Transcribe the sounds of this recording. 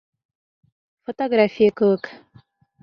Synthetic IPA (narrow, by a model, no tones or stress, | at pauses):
fot̪oɡɾafʲijəkəwək